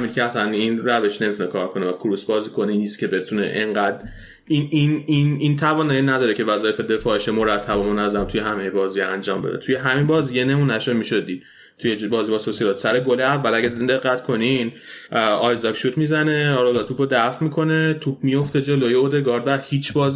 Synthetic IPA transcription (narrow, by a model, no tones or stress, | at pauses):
mid̪cʰeæsæninɾæve̞ʃne̞mit̪unekʰɒ̰ːɾkʰo̞nevækʰuɾusbɒːziːkʰo̞niniːst̪cʰʲe̞be̞t̪ʰunḛʔeŋɢæd̪ | inininint̪ʰævɒːnɒjenːæd̪ɒːɾecʰe̞væzɒːjefe̞d̪e̞fɒːeʃemo̞ɾæt̪ʰːæbomonæzæmt̪ʰujeɦæme̞jebɒːzijeænd͡ʒɒːmbed̪et̪ʰujeɦæminbɒːzijene̞muːnæʃod̪miːʃo̞d̪iːd̪̥ | t̪ʰujebɒːzibɒːsosilɒːt̪sæɾeɡoleævːælæɡɟæd̪ind̪e̞ɣːæt̪kʰo̞ninʔɒjzɒkʃuːt̪ʰmizæne̞ɒɾolɒt̪ʰuːpʰod̪æfmikʰo̞ne̞t̪ʰup̚ʰmijo̞ft̪e̞d͡ʒe̞lojeod̪e̞ɡɒːɾd̪væhiːt͡ʃʰbɒːzi